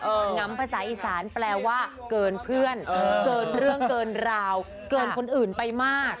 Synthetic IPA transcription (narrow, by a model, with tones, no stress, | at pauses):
ʔɤː˧ŋa˦˥mpʰaː˧saː˩˦ʔiː˧˩saː˩˦npɾɛː˧waː˥˩ | kɤː˧npʰɯ˥˩ənʔkɤː˧nɾɯ˥ə˩əŋkɤː˧nɾaː˧w | kɤː˧nkʰo˧nʔɯː˨˩npa˧jmaː˥˩k̚